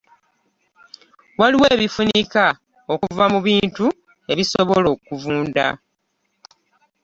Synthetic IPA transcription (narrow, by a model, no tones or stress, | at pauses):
waliweːβifunika | o̞kuvamuβiːntu | e̞βisoβolo̞kuvuːnda̰